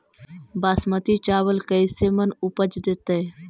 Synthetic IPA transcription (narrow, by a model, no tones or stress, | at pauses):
baːsmət̪it͡ʃaːʋəlkəisemənʊpəd͡ʒd̪eːt̪ee